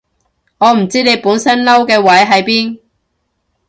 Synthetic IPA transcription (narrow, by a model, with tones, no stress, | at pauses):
ŋɔː˨˧m̩˨˩t͡siː˥ne˨˧jpuː˨˥nsɐ˥nlɐ˥wkɛː˧wɐ˨˥jɦɐ˨˥jpiː˥n